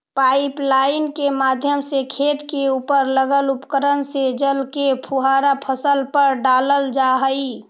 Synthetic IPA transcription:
paːɪplaɪnkemaːd̪ʱjəmsekʰeːt̪keuːpəɾləɡəlʊpəkəɾənsed͡ʒəlkepʰuɦaɾapʰəsəlpəɾɖaːləld͡ʒaɦəi

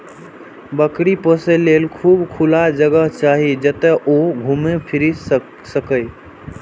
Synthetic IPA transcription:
bəkɽipəselelkʰuːbkʰulad͡ʒəɡəɦt͡ʃaɦid͡ʒət̪ɛʔoɡʱumepʰiɾi | səkəj

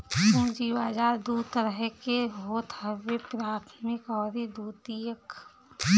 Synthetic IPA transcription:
kund͡ʒiːʋaːd͡ʒaːɾd̪uːt̪əɾəɦkeɦoːt̪ʰɦəʋepɾaːt̪ʰmɪkɔːɾid̪uːt̪ijək

